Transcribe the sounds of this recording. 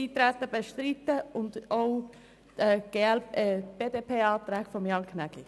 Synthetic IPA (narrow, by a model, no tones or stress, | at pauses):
iːt̪ɾæt̪ːəbeʃtɾit̪ːəʊndoʊ | ɛɡ̥eɛlɛb̥eːdepʰeːɑːt̪ɾæːkfɔmjɑnkʰnæɡli